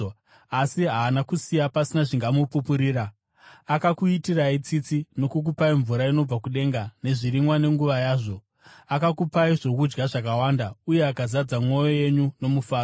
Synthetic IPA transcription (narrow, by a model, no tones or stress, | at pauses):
asiɦaːnakusijapasinaʐiŋɡamupupuɾiːɾaː | kakuitirait͡sit͡sino̞kuk̬upaiɱvuɾaino̞b͡vakuɗe̞ːŋɡane̞ʐiɾimwane̞ŋɡuʋajaːʐo̞ | akakupaiʐo̞kud͡ʒɡaʐakawaːndauje̞akazad͡zamwo̞jo̞je̞ɲuno̞mufaːro